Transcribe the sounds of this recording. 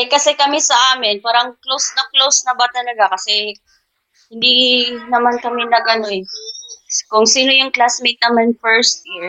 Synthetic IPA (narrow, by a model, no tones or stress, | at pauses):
ɐkɐsɛkɐmɛsɐʔaːmɪnpaːɾɐʔɐŋklowsnɐklowsnɐbat̪ɐlɐɡakɐsɛ | hɪnd̪inɐmankɐmɛnɐɡʔɐnoɛ | kʊŋsiːno̞jʊŋklasmejt̪̚nɐmanfɛɹst̪̚jiɹ